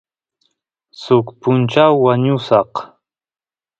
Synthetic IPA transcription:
sʊkpʊnt͡ʃawːaɲʊsɑq

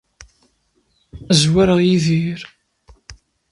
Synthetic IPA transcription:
zwæɾəʁjiðiɾ

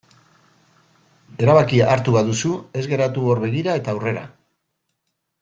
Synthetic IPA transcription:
e̞ɾaβakiaɾt̪uβaðusue̞zɣe̞ɾat̪uo̞ɾβe̞ɣ̞iɾae̞t̪aːwre̞ɾa̰

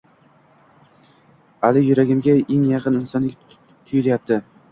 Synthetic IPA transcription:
alɪjʊɾaɡʲɪmɡʲaeŋjɑqʰɨnɪnsɒnɪkʲ | t̪ʰʊjɪlajap̚t̪ʰɪ

